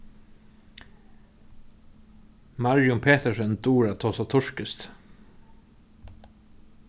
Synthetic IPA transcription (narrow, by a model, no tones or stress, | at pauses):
mɑɹjʊmpʰeːt̪əsɛnt̪uːɹat̪ʰɔːsɔt̪ʰʊʂkəst̪